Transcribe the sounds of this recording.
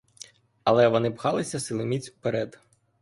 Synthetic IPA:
ɐlˠɛʋɔnɪpxɑlˠɪsʲɐsɪlˠɪmʲit͡sʲupeɾɛd̪

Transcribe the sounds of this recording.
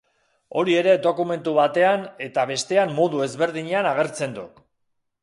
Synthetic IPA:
o̞ɾie̞ɾe̞d̪o̞kume̞nt̪uβat̪e̞ane̞t̪aβe̞st̪e̞ammo̞ðue̞zβe̞ɾðiɲeanaɣ̞e̞ɾt͡se̞nd̪ṵ

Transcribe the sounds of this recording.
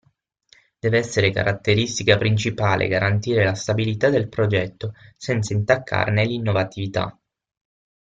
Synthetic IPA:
d̪̥ɛːveɛsːeɾeka̰ɾʔat̪ːeɾist̪ikapɾint͡ʃipaːlʔḛɡaɾant̪iːɾelast̪abilit̪ad̪elpɾod͡ʒɛt̪ːosɛnt̪saint̪akʰːa̰rnelinːovat̪ivit̪a̰

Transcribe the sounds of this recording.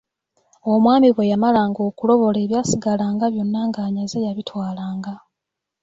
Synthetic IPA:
o̞mwaːmiβwe̞jamalaːŋɡo̞ːkulo̞βo̞le̞ːβjaːsiɡalaːŋɡaβjo̞nːaŋɡaːɲazejaβitwaːlaːŋɡa

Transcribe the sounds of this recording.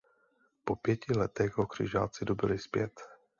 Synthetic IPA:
po̞pjɛcɪlɛt̪ɛɣɦokr̝̥ɪ̰ʒa̰ːt͡sɪdobɪlɪspjɛt̪

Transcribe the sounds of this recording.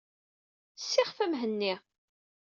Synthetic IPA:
sːɪχfəmɦənːi

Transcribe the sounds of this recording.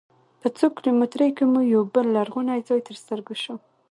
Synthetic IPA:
pət͡sokɾomet̪ɾəjkemujawbəlːaɾɣunajd͡zɑjt̪əɾst̪əɾɡaʃu

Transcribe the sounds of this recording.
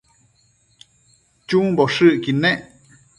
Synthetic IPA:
t͡ʃũmboʂɨʔkinẽʔ

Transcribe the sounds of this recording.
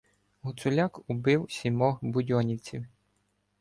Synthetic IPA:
ɦʊt̪sʊlʲakʊbɪwsʲimɔɦbʊdʲɔnʲiwt͡sʲiw

